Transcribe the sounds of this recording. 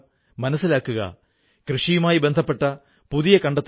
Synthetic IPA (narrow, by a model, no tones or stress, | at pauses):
mɐnɐsːilaːkːuɣɐ̰ | krɨʂijumaːjibe̞nd̪ʱɐpːe̞ʈːɐ | puðijɐkɐɳɖɐt̪ː